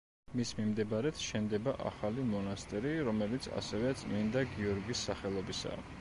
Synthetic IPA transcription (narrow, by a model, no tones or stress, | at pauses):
mismimd̪ɛbaɾɛt̪ʰʃɛnd̪ɛbaʔa̰χalimɔnast̪ʼɛɾiɾɔmɛlit̪sʰa̰sɛvɛt̪sʼmind̪aɡiɔɾɡisːaχɛlˠɔbisa̰